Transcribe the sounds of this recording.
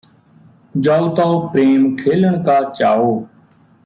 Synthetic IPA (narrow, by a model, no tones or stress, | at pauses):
d͡ʒaːlt̪aːopɾeːmkʰeːləɳkaːt͡ʃaːoː